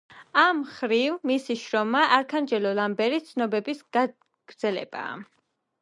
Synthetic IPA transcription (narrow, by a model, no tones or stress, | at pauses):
amχɾivmisiʃɾɔmaʔaɾkʰand͡ʒɛlɔlambɛɾit̪sʰnɔbɛbisɡ̥a | ɡ̥ɾd̪z̥ɛlɛ̰b̥a̰ː